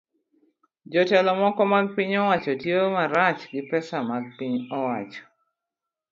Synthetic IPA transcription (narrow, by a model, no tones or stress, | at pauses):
d͡ʒɔtɛlɔmɔkɔmaɡ̚piɲɔwat͡ʃɔtjomaɾat͡ʃɡɪpɛsamaɡ̚piɲɔwat͡ʃɔ̥